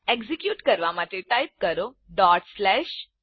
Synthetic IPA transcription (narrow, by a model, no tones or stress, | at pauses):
ekzikjuːʈkəɾʋamaʈ̪eʈajp̚kəɾo | ɖɔʈslɛɕ